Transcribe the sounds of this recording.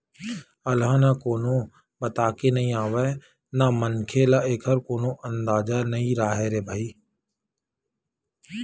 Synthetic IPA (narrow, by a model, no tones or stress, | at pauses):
əlãːnakoːnõ | bət̪aːkenəɦĩaːʋe | namənkʰelaeːkʰəɾkoːnõʔə̃nd̪aːd͡ʒanəɦĩɾaːɦeɾeːbʱaːiː